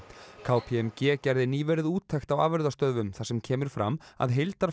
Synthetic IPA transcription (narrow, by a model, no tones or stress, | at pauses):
kʰaːwpʰiɛmcɛːcajɾðɪniːvɛːɾɪðuːt̪ʰːɛxt̪awaːvɛɾðast̪œðvʏmθḁsɛmcʰɛːmɪɾ̥fɾa̰ma̰ðɦejlt̪aɾ